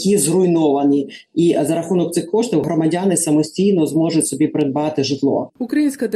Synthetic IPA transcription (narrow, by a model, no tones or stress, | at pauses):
kʲizrʊjnɔʋɐni | izɐɾɐxunɔk̚t̪sɪxkɔʃt̪ɪwɦɾɔmɐdʲɑnɪsɐmɔsʲtʲijnɔzmɔʒʊtʲsɔbʲipɾed̪̚bɑt̪ɪʒɪt̪lˠɔ̰ʊkɾɐjinʲsʲkɐt̪